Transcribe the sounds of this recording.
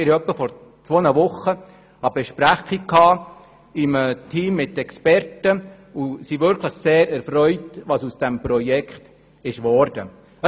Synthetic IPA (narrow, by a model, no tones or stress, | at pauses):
ɪɾœpːəfɔɾ | t͡sʋoːnəʋʊχːə | hɑbɛʃpɾæχikkʰːɑː | ɪmətʰiːmːɪtːɛkspɛɾtə | usiʋʏɾkʰləχseːɾæɾfɾœʏtʋɑsusd̥ɛmpɾɔjɛkʰχt | ɪʃʋɔɾd̥ə | ə